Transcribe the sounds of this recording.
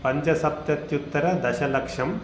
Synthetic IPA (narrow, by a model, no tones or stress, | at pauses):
pɐɲt͡ʃɐsɐp̚t̪ɐt̪jut̪ːɐɾɐd̪ɐʃɐlɐkʂɐm